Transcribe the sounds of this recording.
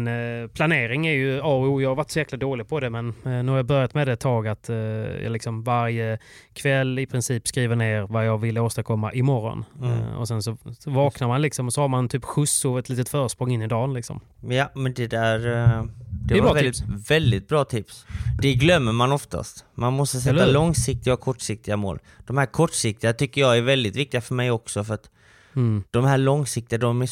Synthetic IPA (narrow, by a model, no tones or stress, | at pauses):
npʰlaneːɾɪŋæɾjɵɑːujɑːhaɾvaʈːsɔjæːklad̪oːlɪɡ̚pʰɔd̪ɛmɛnnʉːhaɾjabœɾjat̪mɛd̪ɛt̪ʰːɑːɡat̪jɑ̰lɪksɔmvaɾjəkʰvɛlːɪpʰɾɪnsiːpskɾiːvəɳeːɾvajɑːɡvɪlːəoːst̪aɾkʰɔmːa̰ʔɪmɔrɔ̰nɔ̰sɛnsɔɔvɑːknaɾmanlɪksɔmɔsɔhaɾmant̪ʰyːpɧɵsʊɛt̪liːt̪ət̪fœːɾəʂpɾɔŋɪnːɪd̪ɑːnlɪksɔ̰m | jamɛnd̪ɛd̪æɾ | d̪̥ɛvvɛld̪ɪt̪̚bɾɑːt̪ʰɪpsd̪ɛɡlœmːəɾmanɔft̪a̰st̪manmɔst̪əsɛt̪ːalɔŋsɪk̚t̪ɪɡakʰɔʈːʂɪk̚t̪ɪɡamo̰ːl | d̪̥ɔmhæːɾkʰɔʈːʂɪk̚t̪ɪɡat̪ʰʏkːəjɑæɾvɛld̪ɪt̪vɪk̚t̪ɪɡafœɾmɛjɔksɔfœɾat̪ | d̪̥ɔmhæːɭɔŋsɪk̚t̪ɪad̪ɔmæ